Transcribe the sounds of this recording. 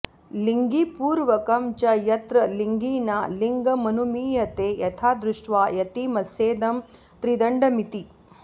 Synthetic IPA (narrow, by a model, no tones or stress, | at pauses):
liŋɡipuːɾʋɐkɐmt͡ʃɐjɐt̪ɾɐliŋɡiːnaːliŋɡɐmɐnumiːjɐt̪eːjɐt̪ʰaːd̪ɾuʂʈʋaːjɐt̪imɐseːd̪ɐm | t̪ɾid̪ɐɳɖɐmit̪i